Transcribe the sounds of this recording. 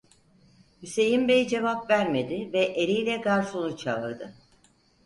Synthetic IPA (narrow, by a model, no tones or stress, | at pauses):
hyse̞jimbejd͡ʒe̞vapvæɾme̞d̪ɪvɛʔeɾijlʲɛɡaɾsonut͡ʃʰavɯɾd̪ɯ